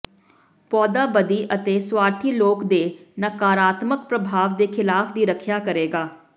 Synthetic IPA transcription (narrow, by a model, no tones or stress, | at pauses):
pɔːd̪aːbəd̪iːʔət̪eːswaːɾt̪ʰiːloːkd̪eːnəkaːɾaːt̪mək̚pɾəbʱaːʋd̪eːkʰɪlaːfʰd̪iːɾəkʰjaːkəɾeːɡaː